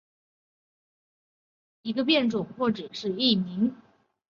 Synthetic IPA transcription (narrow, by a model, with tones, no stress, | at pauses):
i˧˥ɡə˧p̬jɛ˥˩nʈ͡ʂʊ˨˩ŋxwɔ˥˩ʈ͡ʂɻ̩˨˩ʂɻ̩˥˧i˥˩mi˧˥ŋ